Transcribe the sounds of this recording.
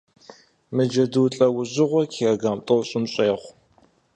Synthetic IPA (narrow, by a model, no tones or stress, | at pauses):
mɨd͡ʒɐdɨwɬʼɐwʊʑɨʁʷɔkʰeɐɡaːmtʼowɕʼɪmɕʼeːʁʷ